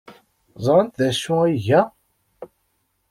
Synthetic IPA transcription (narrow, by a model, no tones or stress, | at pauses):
zˤɾənt̪ðæʃːuiʝæ